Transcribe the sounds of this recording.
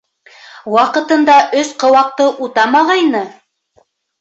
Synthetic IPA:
wɑqɤ̆t̪ɤ̆nd̪ɑʔɵsqɤ̆wɑq̚t̪ɤʔut̪ɑmɑʁɑjnɤ

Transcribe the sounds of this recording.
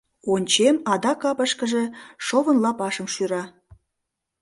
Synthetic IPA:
onʲt͡ɕemɑd̪ɑkɑpəʃkəʒe̽ʃoβənlɑpɑʃəmʃyɾɑ

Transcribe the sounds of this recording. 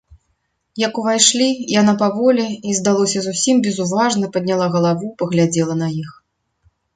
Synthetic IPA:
jɐkuvajʂlʲijanapavɔlʲɛizd̪alˠɔsʲɐzusʲimbʲɛzuvaʐnɐpɐd̪̚ʲnʲalˠaɣɐlˠavupɐɣlʲad͡zʲɛlˠɐnɐjix

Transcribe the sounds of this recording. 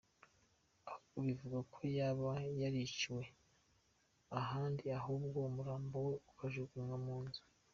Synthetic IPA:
auβivuɡakʰo̞jaːβajaɾiciwe̞ | aɦaːndiaɦubɡomuɾaːmboweukaʒuɡuaŋɡamuːnzi̥

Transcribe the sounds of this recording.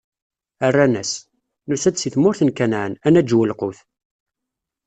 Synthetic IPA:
ərːænæs | nusæd̪siθmʊɾθənkænʕənænæd͡ʒːwəlqʊθ

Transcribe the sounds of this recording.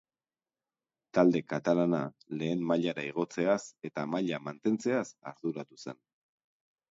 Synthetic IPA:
t̪ald̪e̞kat̪alana | le̞ːmmaʎaɾaiɣ̞o̞t͡se̞ase̞t̪amaʎamant̪e̞nt͡se̞asaɾðuɾat̪use̞̰n

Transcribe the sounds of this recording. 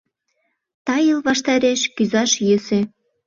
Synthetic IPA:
t̪ɑjəlβɑʃt̪ɑɾeʃkyzɑʃjəsĕ

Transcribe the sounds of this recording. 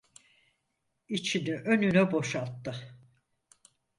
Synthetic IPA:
it͡ʃʰiniʔønynɛbo̞ʃalˠt̪ːɯ

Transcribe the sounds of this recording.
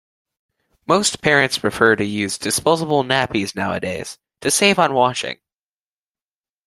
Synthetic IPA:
moʊspʰɛɹɨ̃ntspʰɹ̥ɨfɜ˞ɾɨjʉzdɨspoʊzəbl̩ˠnæpiznaʊɨ̰deɪz̥ | tʰɨseɪvə̃n̩wɑʃɪ̰̃ŋ

